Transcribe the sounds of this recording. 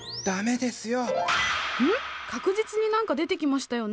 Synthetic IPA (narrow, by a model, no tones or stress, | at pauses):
d̪̥ame̞d̪e̞sɨjo̞ | ɯ̟̃kakɯ̟ʑit͡sɨɲ̟inãŋkad̪e̞t̪e̞kʲimaɕi̥t̪ajo̞n